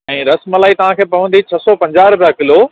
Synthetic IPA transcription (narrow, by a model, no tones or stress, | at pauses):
ɛ̃ːɾɐsməlaːit̪ɐʋ̤ãkʰeːpɐʋə̃nd̪it͡ɕʰɐsɔpɐ̃ɲd͡ʑaːɾbakɪloː